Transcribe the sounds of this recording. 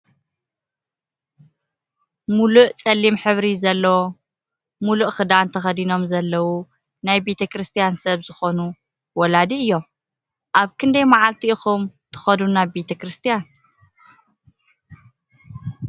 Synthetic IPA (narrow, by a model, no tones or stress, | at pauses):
muluʔt͡sʼɐlːimħɨβɾizɐlːɐwo | muluʔxɨd̪ant̪ʰɐxɐd̪ino̞mzɐlːɐwu | najbe̞t̪ʰɐkɾɨst̪ʰijansɐβzɨxo̞nu | wɔlad̪iɨjːo̞m | ʔaβkʰɨnd̪ɐjmaʕalt̪ʰiɨxumt̪ʰɨ̥xɐd̪unabet̪ʰɐkɾɨst̪ʰijan